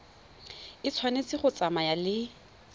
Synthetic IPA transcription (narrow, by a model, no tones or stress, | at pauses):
ɪt͡sʰwanet͡sʼɪχʊt͡samajalɪ